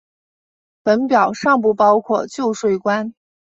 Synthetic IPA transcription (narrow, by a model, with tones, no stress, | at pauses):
pə˧˥npjɑ˨˩ʊʂɑ˥˧ŋp̬u˥˩pɑ˥ʊkʰwɔ˥˧t͡ɕjo˥˧ʊʂwe˥˩ɪkwa˥n